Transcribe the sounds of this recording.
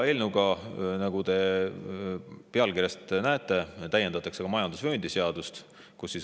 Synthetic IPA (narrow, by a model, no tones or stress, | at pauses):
e̞lnuɡ̥ɑnɑɡ̥ud̪e̞ | peɑlkirjɑst̪næet̪ːˑe̞t̪æjːend̪ɑt̪ːˑɑkseɡ̥ɑmɑjɑnd̪usvenʲd̪̥iseɑd̪̥ust̪ | kusːis